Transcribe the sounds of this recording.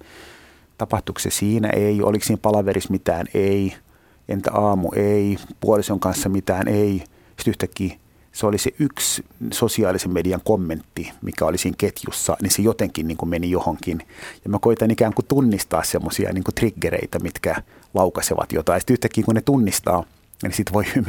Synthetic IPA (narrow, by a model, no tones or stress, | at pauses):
t̪ɑpɑht̪uksesiːnæ̰ʔeiʔo̰liksiːmpɑlɑʋeɾismit̪æːnei | ʔḛnt̪æ̰ɑːmṵʔeipuolisoŋkɑnsːɑmit̪æːnʔei | si̥t̪yht̪ækːiː | seoliseʔykssosiɑːlisemmediɑŋkomːent̪ːimikæolisiːŋket̪jṵsːɑ̰ninsejot̪eŋkinniːŋkumenijohoŋkinjɑmækoit̪ɑnikæːŋkut̪unːist̪ɑ̰ːssemːosiɑ̰niːŋkut̪riɡːerḛit̪æmit̪kæ | lɑukɑseʋɑ̰t̪jo̰t̪ɑisi̥t̪yht̪ækːiːkunet̪unːist̪ɑ̰ː | nisit̪ʋoiym